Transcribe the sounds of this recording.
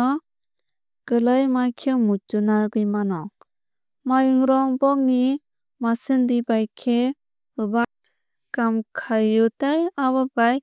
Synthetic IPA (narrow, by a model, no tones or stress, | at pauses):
ɡ̥ɯlajmajkʰɯmutunaɾɡɯjmanɔ | majɯŋɾɔŋbɔŋni | masɯndibajkʰe | ɯba | kamkʰajɯtajaβabaj